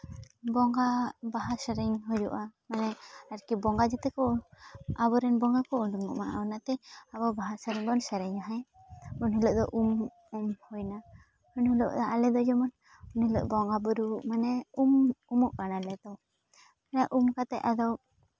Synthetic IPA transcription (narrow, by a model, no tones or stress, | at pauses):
bɔŋɡabaɦasəɾɛɲɦɔd͡ʒuʔamanɛaɾkibɔŋɡad͡ʒɛt̪ɛkɔ | abɔɾɛnbɔŋɡakɔuɳɖuŋɔʔmaʔaɔnat̪ɛababaɦasəɾɛɲbɔnsɛɾɛɲaɦɛ̃ | unɦəlɔʔd̪ɔʔum | umhɔjna | unhulɔ̰ʔd̪aʔalɛd̪ɔd͡ʒɔmɔn | unilɔ̰ʔbɔŋɡabuɾuʔmanɛumumuʔkanalɛd̪ɔ | manɛʔumkat̪ɛʔad̪ɔ